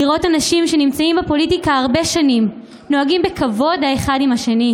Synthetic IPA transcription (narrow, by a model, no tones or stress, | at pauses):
iʁo̞tanaʃimʃe̞nimt͡saimbepo̞litikaaʁbe̞ʃanim | no̞aɡimbe̞kavo̞d̪aeχadimaʃe̞ni